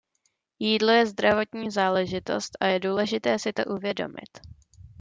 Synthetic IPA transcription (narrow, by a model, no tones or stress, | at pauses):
jiːdlo̞jɛzd̪ɾavo̞t̪ɲiːzaːlɛʒɪt̪o̞̰st̪ʔajɛduːlɛʒɪt̪ɛːsɪt̪o̞̰ʔuvjɛdo̞̰mɪ̰t̪